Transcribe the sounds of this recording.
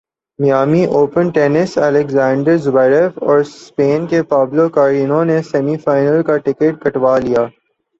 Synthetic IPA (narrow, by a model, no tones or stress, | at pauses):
mɪjaːmiʔoːpənʈeːnɪsɛːlɛkzãːɳɖəɾzʊbaːɪɾefɔːɾspeːnkepaːblokaɾinõnesɛmifaːɪnəlkaʈɪkeʈ̚kɐʈʋaːlijaː